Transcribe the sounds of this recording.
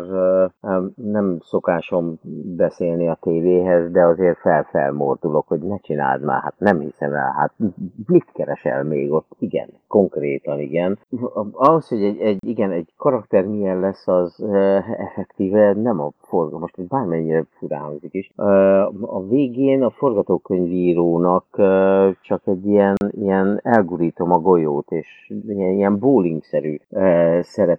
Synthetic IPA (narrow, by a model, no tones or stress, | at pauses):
r | nɛmso̞kaːʃo̞mbɛseːlniɒt̪eːveːɦɛzd̪ɛɒzeːrfɛlfɛ̰lmo̰rd̪ulo̞kho̞ɟnɛt͡ʃina̰ːld̪ma̰ːha̰t̪nɛmhisɛmɛ̰lɦa̰t̪mit̪kɛɾɛʃɛ̰lmeːɡo̞t̪ːiɡɛ̰nko̞ŋkreːt̪ɒniɡɛnɒɦosho̞ɟɛɟɛɟiɡɛnɛɟkɒɾɒkt̪ɛrmiɛnlɛsːɒz | ɛfɛkt̪iːvɛnɛmɒforɡmo̞ʃt̪ibaːrmɛɲːiɾɛfuɾa̰ːɦoŋzikiʃ | ɒveːɡeːnɒfo̞rɡɒt̪oːkøɲviːɾoːnɒkː | t͡ʃɒkɛɟːiɛnijɛnɛlɡuɾiːt̪o̞mɒɡo̞joːt̪eːʃ | iɛniɛmboːliŋksɛɾy | sɛɾɛp